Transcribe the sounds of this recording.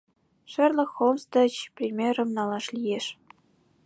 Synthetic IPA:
ʂɘ̆rlʲɘ̆xomst̪ɤ̆t͡ɕprʲimʲerɤ̆mnɑlˠɑʂlʲijeʂ

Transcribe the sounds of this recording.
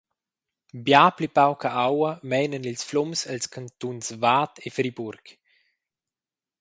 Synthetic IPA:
bjaːplipawkaʔawɐmɛjnənilsflɔmsalskʰant̪unsvaːtʰefɾiburk

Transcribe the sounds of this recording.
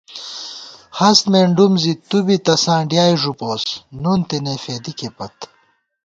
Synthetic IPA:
hɐst̪meːɳɖumzit̪ubit̪ɐsãːɖjaːjʐupoːsnunt̪enefeːd̪ikepɐt̪

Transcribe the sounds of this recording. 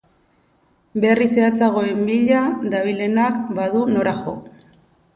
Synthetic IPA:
be̞rise̞at͡saɣ̞o̞e̞mbiʎad̪aβile̞nakbaðuno̞ɾaxo̞̰

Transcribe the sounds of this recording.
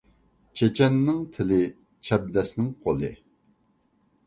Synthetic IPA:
t͡ʃʰet͡ʃʰɛnːɪŋt̪ʰɪlɪ | t͡ʃʰɛb̚d̪ɛsnɪŋqʰolˠɨ̰

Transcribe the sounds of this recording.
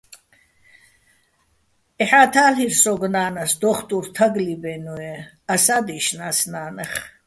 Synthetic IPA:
ɛħat̪ʰaːliɾsɔɡnaːnasd̪ɔχt̪ʼuɾt̪ʰaɡlibɛnuɛ | asad̪iʃnasnaːnɛχ

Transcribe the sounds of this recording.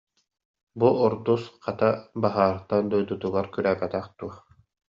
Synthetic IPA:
buʔɔɾd̪usqat̪abaɦaːɾt̪and̪ɔjd̪ut̪uɡaɾkyɾæːbɛt̪æχt̪uɐ

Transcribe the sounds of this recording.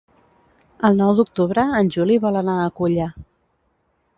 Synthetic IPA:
əlˠnɔwd̪uk̚t̪uβɾəːnʲʒuliβɔlənaəkuʎa

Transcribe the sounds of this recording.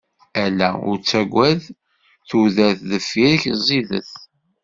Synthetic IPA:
ælæ̰ʊ̰ɾt͡sːæɡʷːæð | θuðæθðəfːiɾçzˤiðə̰θ

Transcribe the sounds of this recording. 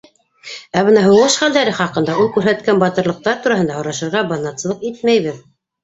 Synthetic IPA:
æbɤnɑɦɤ̆wʁɤʃχæld̪æɾɘχɑqɤ̆nd̪ɑulˠkʉɾɦæt̪kænbɑt̪ɤ̆ɾlˠɤ̆q̚t̪ɑɾt̪uɾɑɦɤnd̪ɑhŏɾɑʃɤ̆ɾʁɑbɑnːɑt̪sɤ̆lˠɤqit̪mæjβɘð

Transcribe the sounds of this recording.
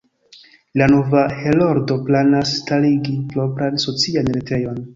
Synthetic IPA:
lano̞vahelo̞ɾdo̞planasːtaliɡiplo̞pɾanso̞t͡sianɾete̞jo̞n

